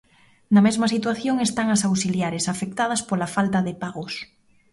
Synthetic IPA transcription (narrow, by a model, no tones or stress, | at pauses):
namezmasit̪waθjoŋest̪aŋasawsiljaɾesafek̚t̪að̞aspolafalt̪aðepaɣos